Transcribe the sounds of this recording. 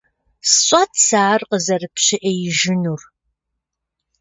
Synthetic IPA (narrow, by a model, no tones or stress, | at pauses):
sɨɕʼɐtʰsaːrqəzɐrɨpɕɪʔeːjɪʒɪnuːr